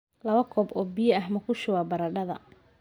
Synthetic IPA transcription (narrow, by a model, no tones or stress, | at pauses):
lɐβɐkʰɔːbɔːbijɐɐhmɐkʰʊʃʊwaːbɐɾɐɖɐðɐ̰